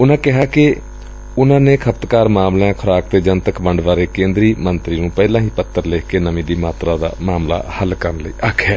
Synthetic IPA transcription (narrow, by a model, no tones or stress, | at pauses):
ʊnãːkɪɦaːkɪ | ʊnãːneːkʰəpt̪kaːɾmaːmlãːkʰʊɾaːk̚t̪eːd͡ʒənt̪əkbəɳɖʋaːɾeːkẽːnd̪ɾiːmənt̪ɾiːnũːpɛːlãːɦiːpət̪ːəɾleːkkeːnəʋĩːd̪iːmaːt̪ɾãːd̪a̰ːmaːmla̰ːhəlkəɾənləḭːʔakʰːɛː